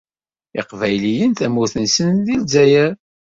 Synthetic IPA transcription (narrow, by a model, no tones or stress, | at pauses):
ɪqvæjlijənt̪æmːuθənsənðilzæjæɾ